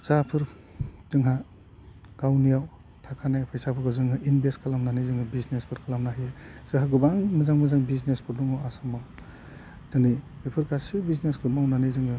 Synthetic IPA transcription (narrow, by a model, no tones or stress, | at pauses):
sapʰɯɾ | z̥ɯŋɦa | ɡ̥awnijaw | tʰakʰanajpʰajsapʰɯɾkɯzɯŋɦɯʔinbeskʰalamnanizɯŋɯbisnespʰɯɾkʰalamnaɦijezɯɦaɡubaŋmɯzaŋmɯzaŋbisnespʰɯɾduŋawasamaw | dɯnibipʰɯɾkasibisneskɯmawnanizɯŋɯ